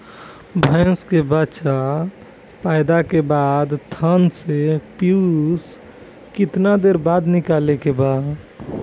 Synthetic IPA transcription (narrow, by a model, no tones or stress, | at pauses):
bʱə̃ɪ̃skebət͡ʃa | pajd̪akebad̪t̪ʰənsepjus | kɪt̪nad̪eɾbad̪nikalekeba